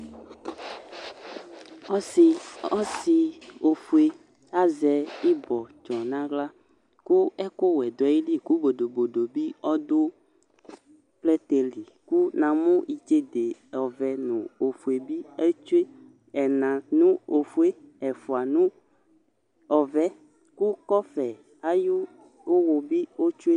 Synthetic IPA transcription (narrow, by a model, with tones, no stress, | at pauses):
ɔ˦si˨o˨fu˨e˦ | a˦zɛ˨i˦bɔ˨t͡ʃɔ˨nã˦ɡla˦ | ku˦ɛ˦ko˦wɛ˨d̪ɔ˨i˦li˦ku˦bo˨do˨bo˨do˨bi˦ɔ˦d̪o˦ | plɛ˦t̪e˨li˨ku˦nã˨mõ˦i˨d͡ʒe˦d̪e˨ɔ˨vɛ˨nũ˨o˨fu˨e˨bi˦e˦t͡ʃu˦e˦ | ɛ˨nã˨nũ˦o˨fu˦e˦ɛ˨fu˨a˨nũ˦ | ɔ˨vɛ˦ | ku˦kɔ˦fɛ˨ | a˦ju˦ | wo˦wo˨bi˦wo˦t͡ʃu˦e˦